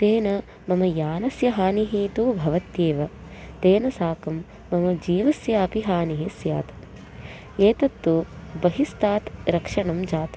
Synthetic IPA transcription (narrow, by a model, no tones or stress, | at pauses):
t̪eːnɐ | mɐmɐjaːnɐsjɐɦaːniɦiːt̪ubʱɐʋɐt̪jeːʋɐt̪eːnɐsaːkɐmː | ɐmɐd͡ʒiːʋɐsjaːpiɦaːniɦisja̰ːt̪ɐ̥ | eːt̪ɐt̪ːubɐɦist̪aːt̪ɾɐkʂɐɳɐmd͡ʒaːt̪ɐ